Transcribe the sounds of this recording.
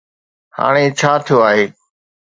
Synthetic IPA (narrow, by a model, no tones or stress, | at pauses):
ha̰ːɽ̃eːt͡ʃʰaːt̪ʰijoːaːɦeː